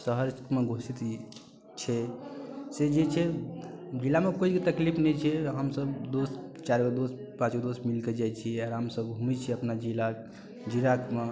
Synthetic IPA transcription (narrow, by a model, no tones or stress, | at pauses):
səɦəɾmeɡʱosit̪ | t͡ʃʰɛ | sed͡ʒet͡ʃʰɛ | d͡ʒilamekoikit̪əklipʰnɛt͡ʃʰɛɦəmsəbd̪ost͡ʃaɾɡəd̪os | pãt͡ʃɡəd̪osmilked͡ʒajt͡ʃʰiaɾɦəmsəbɡʱumit͡ʃʰɛəpnad͡ʒila | d͡ʒiɾakme